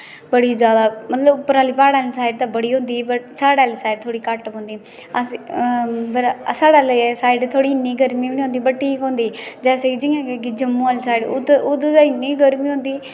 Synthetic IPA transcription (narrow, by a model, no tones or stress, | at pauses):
bəɽiːd͡ʒjaːd̪aːmət̪ləbpːəɾaːliːpaːɽaːliːsaːɪɖt̪ãːbəɽiːɦõːnd̪iːbəʈsaːɽaːliːsaːɪɖ̚t̪ʰoːɽiːkəʈõːnd̪iː | əs | bəɾsaːɽaːləsaːɪɖt̪ʰoːɽiːɪnːiːɡəɾmiːbniːõːnd̪iːbəʈʈʰːiːkɦõːnd̪iːd͡ʒɛːseːid͡ʒɪjãːkekid͡ʒəmːũːaːlisaːiɖ̪ʊd̪d̪aɪnːiːɡəɾmĩːɦõːnd̪iː